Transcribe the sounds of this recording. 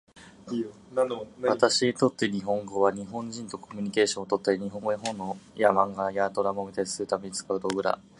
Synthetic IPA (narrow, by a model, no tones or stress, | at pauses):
βat̪aɕiɲit̪o̞t̪ːe̞ɲ̟iɦõ̞ŋɡo̞βaɲ̟iɦõ̞ɲ̟d͡ʑĩnt̪o̞kʰo̞mʲiɲ̟ike̞ːɕõot̪o̞t̪ːaiɲ̟iɦõ̞ŋɡojaɦõ̞nːojamãŋɡajat̪o̞ɾamomʲit̪ai̥sɨɾɯ̟t̪ame̞ɲ̟it͡sɨ̥kaɯ̟t̪oɡɯ̟ɾa̰